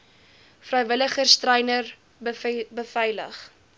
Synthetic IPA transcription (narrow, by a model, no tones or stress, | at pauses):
frɛjvələχərstrɛjnər | bəfɛjlə̰χ